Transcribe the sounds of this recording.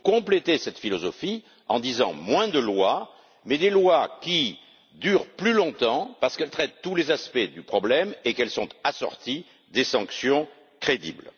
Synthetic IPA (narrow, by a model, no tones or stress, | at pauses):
kɔ̃plet̪esɛt̪filɔzɔfi | ɑ̰̃d̪izɑ̰̃mwɛ̃d̪əlwa | mɛd̪elwakʲi | d̪yʁplylɔ̃t̪ɑ̃paʁsə̥kɛlt̪χɛt̪t̪ːulezaspɛd̪ypχɔblɛmekɛlsɔ̃t̪asɔ̰ʁt̪i | d̪esɑ̃ksjɔ̃ | kχed̪ḭbl